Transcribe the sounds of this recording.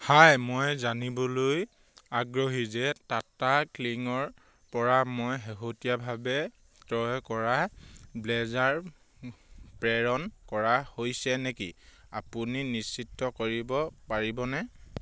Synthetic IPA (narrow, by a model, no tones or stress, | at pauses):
hajmojzanibɔloj | aɡɹoɦizɛtatakliŋɔɹ | pɔɹamojɦeɦotijabʱabɛ | tɹɔjkɔɹablɛzaɹ | pɹɛɹɔnkɔɹahojsɛnekḭapuninisitːɔkoɹibɔpaɹibɔnɛ